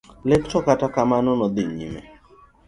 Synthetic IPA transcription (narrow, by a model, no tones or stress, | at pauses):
lekt͡ʃɔkatakamanonɔd̪ɪɲḭmɛ̰